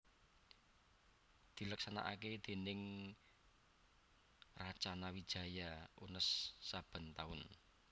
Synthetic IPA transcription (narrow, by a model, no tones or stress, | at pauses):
d̪̥i̤ləksana̰ʔa̰ked̪̥e̤nɪŋ | rat͡ʃanawid̥ʒ̥a̤jaonəsːab̥ə̤nt̪aʊn